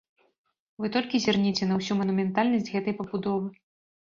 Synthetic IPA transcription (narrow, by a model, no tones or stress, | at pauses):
vɨt̪ɔlʲkʲizʲɛrnʲit͡sʲɛnɐwsʲumɐnumʲɛnt̪alʲnɐsʲd͡zʲɣɛt̪ɐjpɐbud̪ɔvɨ